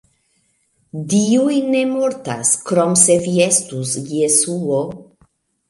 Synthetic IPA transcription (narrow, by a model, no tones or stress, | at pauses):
diujne̞moɾta̰skɾomse̞viest̪usjesuo